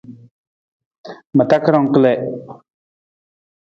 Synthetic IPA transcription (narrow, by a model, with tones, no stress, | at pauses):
mə˨t̪a˦kə˦ɾɔ˨ŋkə˦le˨ʔ